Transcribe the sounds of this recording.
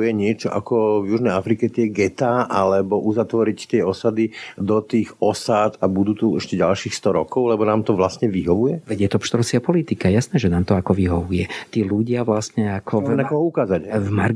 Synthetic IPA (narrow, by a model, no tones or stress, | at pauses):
jɛɲɪɛt͡ʃɔʔakɔvjuʒnɛjafɾikɛt̪ɪɛɡɛt̪aːʔalɛbɔʔuzat̪ʋɔɾict̪ɪɛɔsad̪id̪ɔt̪iːxɔsat̪abud̪uːt̪uɛʃcɛɟalʃiːxst̪ɔɾɔkɔʊlɛbɔnaːmt̪ɔʋlastɲɛʋiɦɔʋujɛʋɛɟjɛt̪ɔpʃt̪ɾɔsɪapɔlit̪ikajasnɛːʒɛnaːmt̪ɔakɔʋiɦɔʋujɛt̪iːluɟɪaʋlastɲɛakʰɔnakɔɦɔukaːzacvmaɾ